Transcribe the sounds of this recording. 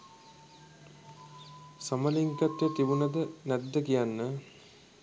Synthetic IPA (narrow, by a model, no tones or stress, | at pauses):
sɐməliŋkat̪jət̪iʋunɐd̪ənɛd̪ːəkijanːə